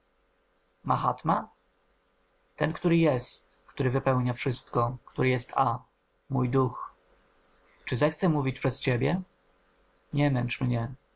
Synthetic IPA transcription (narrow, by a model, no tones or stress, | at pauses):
maxa̰t̪ma | t̪ɛnkt̪uɾɘjɛst̪kt̪uɾɘvɘpɛwɲafʂɘst̪kɔkt̪uɾɘjɛst̪ʰa | mujd̪ux | t͡ʂɘzɛxt̪sɛmuvʲit͡ɕpʂɛst͡ɕebʲjɛ | ɲɛmɛnt͡ʂmɲɛ